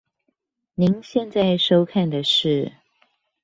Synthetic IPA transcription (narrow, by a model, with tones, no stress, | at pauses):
ni˧˥ŋɕjɛ˥˧nt͡sa˥˩ɪʂo˥ʊkʰa˥˩nd̪ə˩ʂɻ̩˥˩